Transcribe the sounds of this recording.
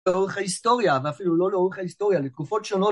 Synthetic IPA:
eoʁeχaist̪o̞ʁjaveafiluloleoʁeχaist̪o̞ʁjalet̪kufo̞tʃo̞no̞

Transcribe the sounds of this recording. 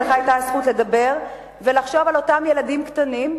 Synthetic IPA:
lχaajtasχutle̞d̪abe̞ʁ | velaχʃo̞valo̞tamje̞ladimktanim

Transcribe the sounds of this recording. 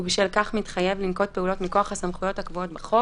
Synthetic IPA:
ubiʃvilkaχmitχaje̞vlimko̞t̚peulo̞tmiko̞aχhasamχujo̞thakvuo̞tbeχo

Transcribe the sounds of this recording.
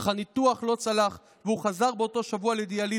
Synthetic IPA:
χanit̪uaχlo̞t͡salaχ | veuχazaʁbeo̞to̞ʃavualeid̪eali

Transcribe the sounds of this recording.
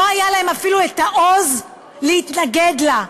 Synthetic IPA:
oajalaemafiluet̪aʔo̞z | lehit̪naɡed̪la

